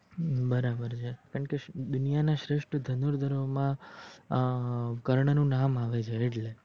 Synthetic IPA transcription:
bəɾabəɾt͡ʃʰekaɳked̪ʊnijanaʃɾeʃʈəd̪ʱənuɾd̪ʱəɾomã | kəɾɳənũnamaʋet͡ʃʰeːʈle

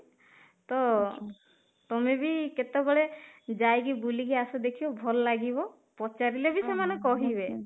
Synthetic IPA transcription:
t̪ɔ | t̪ɔmebiket̪ebɔɭed͡ʒajɡibuliɡiasɔd̪ekʰibɔbʱɔlɔlaɡibɔ | pɔt͡ʃaɾilebisemanekɔɦibe

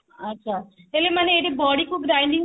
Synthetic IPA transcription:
ɐtːʃʰaːelemɐneeːɽebɔːɽikuɡɾaːjĩnd̪ĩ

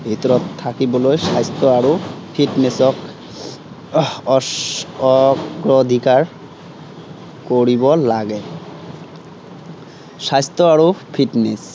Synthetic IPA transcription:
bʱit̪ɾot̪ʰːakibolojʃajst̪oaɾopʰiʈnesɔk | kɾod̪ʱikaɾ | koɾibolaɡe | ʃajst̪oaɾofʰiʈnes

